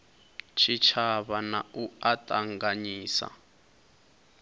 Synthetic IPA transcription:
t͡ʃʰit͡ʃʰaβanauatʼaŋɡaɲiːsa̰

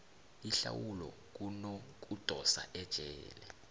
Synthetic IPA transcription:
iɬawulɔ̰ | k̬unok̬ud̥ʱɔsaʔɛd̥ʒ̥ʱɛːlɛ

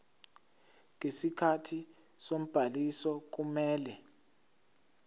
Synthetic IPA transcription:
ŋesikʰatʰi | som̩b̥ʱalisɔk̬umɛːlɛ

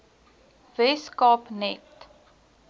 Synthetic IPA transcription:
vɛskɑpnɛt

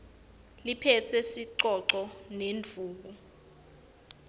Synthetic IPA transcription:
lipʰɛtʰɛsiǃɔǃɔnend͡vʱuːk̬u

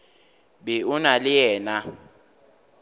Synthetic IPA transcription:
bɪunalɪjɛːna

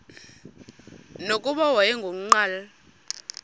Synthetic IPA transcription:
nokʼuɓawajɛŋɡʱom̩ŋ͡ǃaːla

